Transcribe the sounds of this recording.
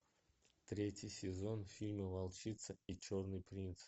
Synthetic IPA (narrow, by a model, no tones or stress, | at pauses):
t̪ɾʲetʲjɪjsʲɪzo̞nfʲilʲməvɐlˠt͡ɕit̪səit͡ɕornɨjpɾʲint̪s